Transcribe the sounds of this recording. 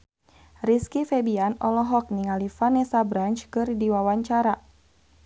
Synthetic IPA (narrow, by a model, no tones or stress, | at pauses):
riskifɛbianɔlɔɦɔk̚niŋalifanɛsabɾant͡ʃkɨrdiwawaɲt͡ʃaɾa